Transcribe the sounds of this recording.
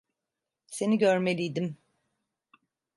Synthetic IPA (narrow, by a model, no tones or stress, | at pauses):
se̞niɟøɾme̞lʲijd̪im